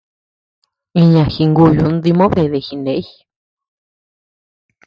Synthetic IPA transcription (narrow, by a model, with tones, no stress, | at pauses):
i˧ɲã˨xi˧ŋɡu˧˨ju˧˨nd̪i˧mõ˦βe˧˨ðe˧˨xi˧nẽ˨˦i˦